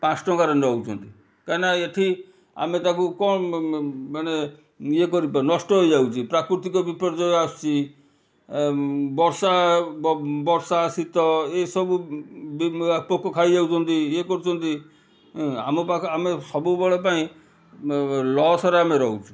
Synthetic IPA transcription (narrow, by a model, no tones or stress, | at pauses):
pãsʰʈɔ̃ɡaɾɔnɾɔɦwt͡ʃʰɔ̰nt̪i | kanaeʈʰi | a̰met̪ãkukɔ | mane | jekɔɾipaĩnɔsʈɔɦojd͡ʒawt͡ʃʰipɾakɾut̪ikɔbipɔɾd͡ʒɔjast͡ʃʰi | bɔɾsabbɔɾsaːsit̪ɔesɔbubpɔkːɔkʰaid͡ʒawt͡ʃʰɔnt̪iekɔɾut͡ʃʰɔnt̪i | amɔpaamesɔbubeɭɔpaĩ | lɔsɔɾameɾɔɦut͡ʃʰu̥